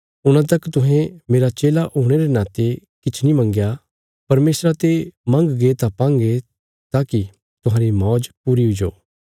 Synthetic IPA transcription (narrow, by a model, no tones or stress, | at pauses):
ʊñãt̪̬ɐkt̪ʊɦɛ̃meːɾat͡ʃeːlaʔoːɽ̃eɾenaːt̪e | kɪt͡ʃʰnimɐ̃ŋɡja | pɐɾmeːsɾat̪emɐ̃ŋɡɡet̪apãːŋɡe | t̪aːki | t̪ʊɦãːɾimɔːd͡ʒpuːɾiɦʊd͡ʒo̰ː